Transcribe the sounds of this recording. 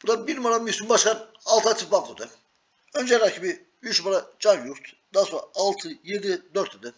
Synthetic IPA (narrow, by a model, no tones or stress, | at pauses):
b̥ud̪abiɾmaɾamysymbaʃkan | alˠt̪ʰɯat̪ʰipbakt̪ˠɯd̪ɯ | ønd͡ʒɛjlɾacʰibi | yt͡ʃmaɾad͡ʒanjuɾt̪ʰd̪aːsoaːlˠt̪ʰɯjed̪id̪øɾt̪ʰːd̪ɯ